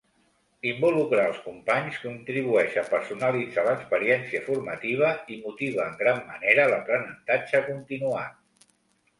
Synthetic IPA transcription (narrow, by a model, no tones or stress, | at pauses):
imbulukɾaəlˠskumpaɲskunt̪ɾiβuɛʃəpəɾsunəlid͡zaləkspəɾiɛnsiəfurmət̪iβ̞əimut̪iβ̞əːŋɡɾamːəneɾələpɾənənt̪ad͡ʒəkunt̪inuat̪̚